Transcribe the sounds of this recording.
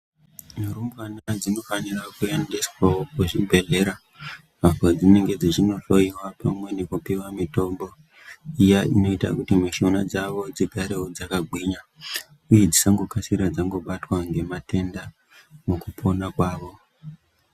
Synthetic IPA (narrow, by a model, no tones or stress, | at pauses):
muɾumbwanad͡zino̞fanirakujandiskwokuʐibʱe̞ɮe̞ɾa | mavwad͡zine̞ŋɡe̞d͡ziʐino̞ɬoiwapamwe̞nekupiwamito̞mbo̞ | ijaino̞ita̰kutimiʃo̞nad͡zaʋo̞d͡ziɡʱaɾeod͡zakaɡʱwiɲa | uje̞d͡zisaŋɡokasiɾad͡zaŋɡo̞ɓatwaŋɡe̞mate̞nda | mukupʰo̞nakwaːʋo̞